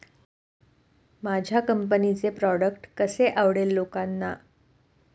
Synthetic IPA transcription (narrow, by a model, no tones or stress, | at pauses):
mad͡ʑʱjakəmp̬ənit͡sepɾɔɽəkʈkəseʔaʋɽelːokanːa